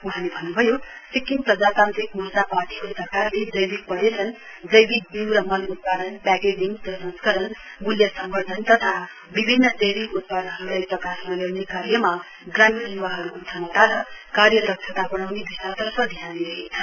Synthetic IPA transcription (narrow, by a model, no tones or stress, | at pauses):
uɦalebʱʌnːubʱʌjosikːiŋprʌd͡zat̪ant̪rik̚musaparʈikosʌɾkarled͡zʌjbik̚pʌɾet͡sʰʌn | d͡zʌjbik̚b̪iwɾʌmʌlut̪̚pad̪ʱʌnpaked͡ziŋtʌsʌ̃nskʌɾʌnmuljʌsʌmbʌrd̪ʱʌnt̪ʌt̪ʰa | bibʱinːʌt̪ejbikut̪̚pad̪nɦʌɾulajprʌkasmʌlewnekaɾjʌma | ɡramsinwaɦʌɾukːt͡sʰʌnʌt̪aɾʌkaɾjʌd̪ʌk̚t͡ʃʰʌt̪abʌɽ̃awnebisat̪ʌrpʰʌd̪ʱjaniɾʌɦet͡sʰʌn